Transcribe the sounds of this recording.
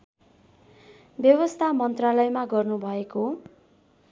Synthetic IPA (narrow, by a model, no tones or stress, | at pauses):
bjʌβʌst̪ʰamʌnt̪ralʌjmaɡʌrnubʱʌeko